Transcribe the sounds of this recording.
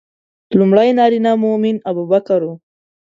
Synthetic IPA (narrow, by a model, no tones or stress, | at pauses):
lumɽajnɑɾinamʊmɪnabubakaɾo